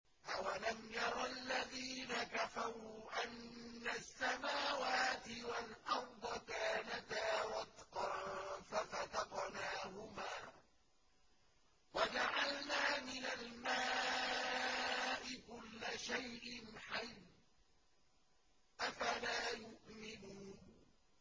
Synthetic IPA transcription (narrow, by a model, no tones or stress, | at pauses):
ʔawalamjɑɾˤɑlːaðiːnakafaɾuʔanːasːamaːwaːt̪ɪwalʔɑɾˤd̪ˤɑkaːnat̪aːɾɑt̪qɑfatat̪ɑqnaːhʊmaː | wad͡ʒaʕalnaːmɪnalmaː | ʔɪkʊlːaʃajʔɪnħaj | ʔafalaːjʊʔmɪnuːn